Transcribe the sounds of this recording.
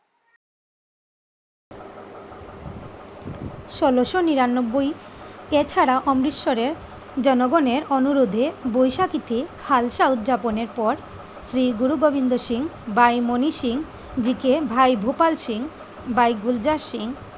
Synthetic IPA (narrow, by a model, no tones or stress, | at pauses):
ʃɔloʃoniɾanːobːojet͡ɕʰaɾaʔɔmɾiʃːoɾeɾ | d͡ʑɔnoɡɔneɾɔnuɾod̪ʱebojʃakit̪ikʰalʃaut̪̚d͡ʑaponeɾpɔɾ | sɾiɡuɾuɡobʱind̪oʃiŋbajmoniʃiŋ | d͡ʑikebʱajbʱopalʃiŋ | bajɡuld͡ʑaʃiŋ